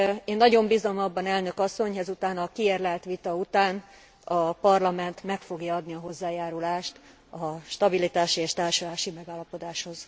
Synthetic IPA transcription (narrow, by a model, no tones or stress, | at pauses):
eːnːɒɟo̞mbizomɒbːɒnɛlnø̞kɒsːo̞ɲɦɛzut̪aːnɒkieːrlɛlt̪ʋit̪ɒut̪aːn | ɒpɒrlɒmɛnt̪mɛkfo̞ɡjɒɒd̪niɒɦo̞zːaːjaːɾulaːʃt̪ | ɒʃt̪ɒbilit̪aːʃieːʃt̪aːrʃolaːʃimɛɡaːlːɒpo̞d̪aːʃho̞z̥